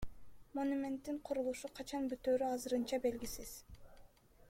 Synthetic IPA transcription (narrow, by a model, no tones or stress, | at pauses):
mo̞numʲe̞nt̪ːiɴqʰoɾulˠuʃuqʰɑt͡ʃɑnbyt̪øːɾyɑzɯɾɯnt͡ʃɑbe̞lɡisiz̥